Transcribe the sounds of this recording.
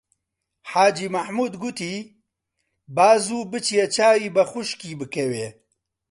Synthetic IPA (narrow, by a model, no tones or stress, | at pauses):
ħaːd͡ʒiːmɐħmuːd̪ɡut̪iː | baːzuːbɨt͡ʃjet͡ʃʰaːjiːbɐxʊʃkiːbɨkɐweː